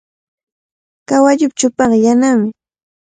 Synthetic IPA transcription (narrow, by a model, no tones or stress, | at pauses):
kawaʎʊp̚t͡ʃʊpɑɢɑjanamɪ